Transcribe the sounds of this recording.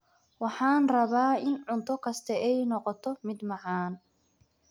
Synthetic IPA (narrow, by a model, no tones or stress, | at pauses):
wɑħɑːnrɐβaːɪnʕʊnt̪ʰɔkʰɐst̪ʰɐɛjnɔqɔt̪ʰɔmɪd̪mɑʕaːn